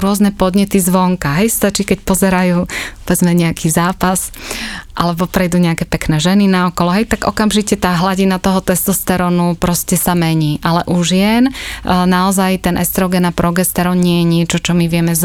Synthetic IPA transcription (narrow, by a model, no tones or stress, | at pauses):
ɾʊɔznɛpɔd̪ɲɛt̪izʋɔŋkaɦɛjst̪at͡ʃiːkɛcpɔzɛɾajuːɔʋɛzmɛɲɛakʰiːzaːpasʔalɛbɔpɾɛjd̪uːɲɛakɛpɛknɛːʒɛninaɔkɔlɔɦɛjt̪aɡʔɔkamʒicɛt̪aːɦlaɟinat̪ɔɦɔt̪ɛst̪ɔst̪ɛɾɔnupɾɔscɛsamɛɲiːʔalɛʔuʒjɛnnaɔzajt̪ɛnʔɛst̪ɾɔɡɛnapɾɔɡɛst̪ɛɾɔnɲɪɛjɛɲɪɛt͡ʃɔt͡ʃɔmiʋɪɛmɛz